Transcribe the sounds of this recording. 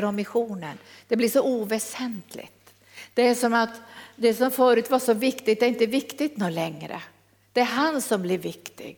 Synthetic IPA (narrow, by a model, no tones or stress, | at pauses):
ɾɔmːɪɧuːnən | d̪̥ɛblɪʂɔʔuːvɛsɛnt̪ʰlɪ̰ɡt̪ | d̪̥ɛæʂɔmat̪d̪ɛsɔmfœːɾʉ̟ːt̪vaʂɔvɪkt̪ɪɡt̪̚d̪ɛɾɪnt̪əvɪkt̪ɪt̪nuːlɛŋːɾə̰ | d̪̥ɛæɾɦansɔmblɪɾvɪkt̪ɪ̰ɡ